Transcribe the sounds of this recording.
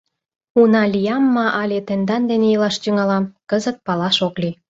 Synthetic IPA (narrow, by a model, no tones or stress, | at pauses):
unɑlʲijɑmːɑʔɑlʲet̪end̪ɑnd̪enejilɑʃt̪yŋɑlɑmkəzət̪̚pɑlɑʃokli